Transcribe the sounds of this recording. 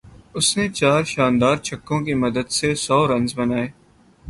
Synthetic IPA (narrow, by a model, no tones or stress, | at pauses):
ʊsnet͡ʃaːɾʃaːnd̪aːɾt͡ʃʰɐkːõkimɐd̪əd̪sesɔːɾɐ̃nzbɐnaːeː